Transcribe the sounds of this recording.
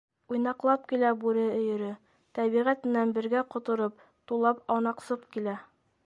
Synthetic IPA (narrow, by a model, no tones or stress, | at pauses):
ujnɑqlˠɑp̚kilæbʉɾɘɵ̆jɘ̆ɾɘ | t̪æβiʁæt̪mɘ̆nænbɘ̆ɾɡæqŏt̪ŏɾɤp̚ | t̪ulˠɑpɑwnɑqsɤpkilæ